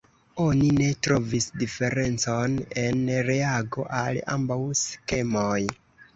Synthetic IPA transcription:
o̞nine̞tɾo̞visdife̞ɾe̞nt͡so̞ne̞nɾeaɡo̞̰ʔala̰mbawske̞moj

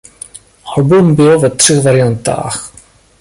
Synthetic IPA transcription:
habumbɪlvɛt̪r̝̥ɛɣvaɾɪjant̪a̰ːx

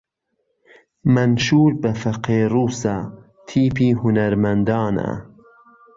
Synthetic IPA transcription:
mɐnʃuːɾbɐfɐqeːɾuːsa | t̪ʰiːpʰiːɦʊnɐɾmɐnd̪ɑːna̰

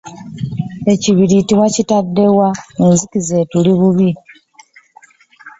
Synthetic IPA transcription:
e̞ciβiɾitiwacitadːe̞waenzikize̞ːtuliβuβi

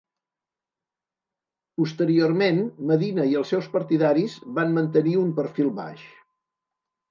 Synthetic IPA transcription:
pust̪əɾiormenməðinəiəlˠsɛwspəɾt̪iðaɾizβanmənt̪əniumpəɾfilˠβa̰ʃ

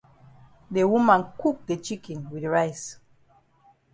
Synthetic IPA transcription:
dewumãnkuk̚det͡ʃikĩnwidɹajs

